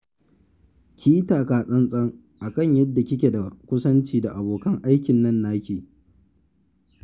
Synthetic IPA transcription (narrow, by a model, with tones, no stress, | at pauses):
kʲʰiː˦taː˨kaː˨sʼɐ˦nsʼɐ˦ŋ | ʔa˨kɐ˦˨ɲjɐ˦dːa˨kʲɪ˦kʲe˨da˨kʷʊ˦sɐ˦nt͡ʃiː˨da˨ʔa˨boː˨kɐ˦ŋʔa˦jkʲɪ˨nːɐ˦nːaː˦kʲeː˨